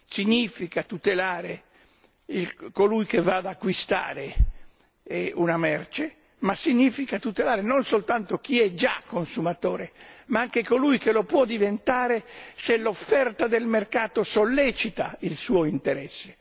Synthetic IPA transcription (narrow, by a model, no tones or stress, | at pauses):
siɲifikat̪ut̪elaːɾe | ilkolujkevaːd̪akːwist̪a̰ːɾe | unamɛrt͡ʃe | masiɲːiːfikat̪ut̪elaːɾenonsolt̪ant̪ok̟iɛd͡ʒakːonsumat̪oːɾemaaŋkekolujkelopwɔd̪ivent̪aːɾeselofːɛrt̪ad̪elmerkaːt̪osolːɛt͡ʃit̪ailsuːoint̪eɾɛsːe̥